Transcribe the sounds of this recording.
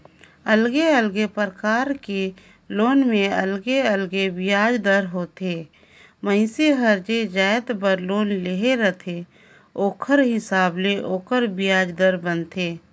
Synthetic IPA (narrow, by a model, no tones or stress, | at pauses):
əlɡeəlɡepəɾəkaːɾke | loːnmẽəlɡeəlɡebɪjaːd͡ʒd̪əɾɦoːt̪eː | məɪseɦəɾd͡ʒed͡ʒaːjət̪bəɾloːnleɦeɾət̪ʰe | oːkʰəɾɦɪsaːbleʔoːkʰəɾbɪjaːd͡ʒd̪əɾbənt̪eː